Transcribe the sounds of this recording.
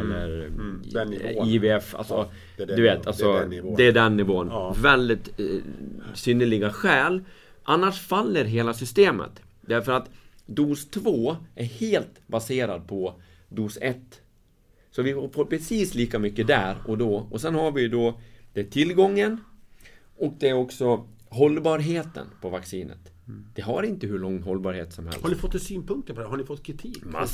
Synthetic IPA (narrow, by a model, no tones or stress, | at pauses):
ɛlːə̰ɾ | iveɛfa̰lsɔ | dd̪ɵveːt̪ʰːalsɔd̪ɛædɛnːɪvoːənvɛld̪ɪt̪ | sʏnːəɭɪɡaɧɛːlʔanːaʂfalːəɾɦeːlasʏst̪eːmə̰t̪ | d̪̥æɾfœɾat̪d̪uːst̪ʰvoːʔæɾheːlt̪baseːɾad̪̚pʰɔ | d̪uːsɛt̪ː | sɔvɪhafɔpʰɾɛsiːsliːkamʏkːəd̪æɾɔd̪ɔɔsɛnhaɾvɪjd̪ɔd̪̥ɛt̪ʰɪlɡɔŋːən | ʔɔk̚d̪ɛæɾɔksɔ | ɦɔlːbɑːɾɦeːt̪ə̰npʰɔvaksiːnə̰t̪ | d̪̥ɛɦaɾɪnt̪əɦɵɭɔŋːɦɔlbɑːɾhḛːt̪sɔmhɛ̰lsanɪfɔt̪ːsyːnpʰɵŋk̚t̪əɾpʰɔd̪ɛɦaɳɪfɔt̪ːkʰɾɪt̪ʰiːka̰